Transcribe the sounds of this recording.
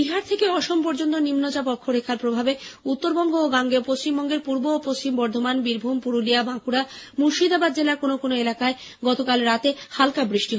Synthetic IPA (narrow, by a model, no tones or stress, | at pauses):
biɦaɾt̪ʰekeɔʃompoɾd͡ʑont̪onimnod͡ʑapɔkʰːoɾekʰaɾpɾobʱabeut̪ːoɾbɔŋɡʱoːɡaŋɡeopost͡ɕimbɔŋɡeɾpuɾboːpost͡ɕimbɔɾd̪ʱomanbiɾbʱumpuɾulijabãkuɾamuʃid̪ʱabad̪̚d͡ʑelaɾkonokonoelakae | ɡɔt̪okalɾat̪ehalkabɾiʃʈiɦ